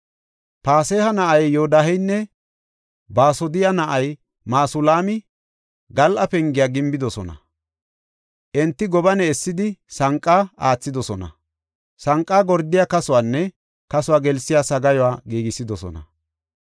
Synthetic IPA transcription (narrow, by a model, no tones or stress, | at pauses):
paːseːhɐnɐʔɐjːoːd̪aɦɛjnːɛ | baːsɔd̪ɪjanɐʔɐj | maːsʊlaːmɪ | ɡɐlʔɐpɛŋɡɪjaːɡɪmbɪd̪ɔsɔ̰nɐ̰ | ʔɛnt̪ːɪɡɔbɐnɛːsːɪd̪ɪsɐŋkʼːaaːt͡sːɪd̪ɔsɔnɐ̰ | sɐŋkʼːaːɡɔɾd̪ɪjaːkɐsʊwaːnːɛ | kɐsʊwaːɡɛlsɪjaːsɐɡɐjɔwaːɡiːɡɪsːɪd̪ɔsɔ̰nɐ̰